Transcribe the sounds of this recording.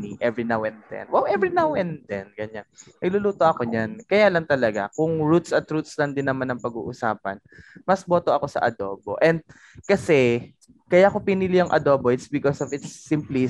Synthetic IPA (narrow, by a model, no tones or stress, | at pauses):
niʔɛvɹinawɛnd̪d̪ɛ̰nwɛwʔɛvɹinawɛnd̪d̪ɛnɡɐɲanmɐɡluːluːt̪oʔɐkoɲankɐjaːlɐŋt̪ɐlɐɡa̰kʊŋɹut̪sɐt̪ɾut̪̚slɐnd̪ɪnːɐmanɐŋpɐɡṵːʔʊsa̰ːpɐ̰n | mɐsboːt̪o̞ʔɐko̞sɐ̰ʔɐ̰d̪o̞ːbo̰ʔɛnd̪̚ | kɐsɛ | kɐjaʔkopinɪlijʊŋʔɐ̰d̪oːboʔɪt̪sbɪkosɔvɪt̪sːimpli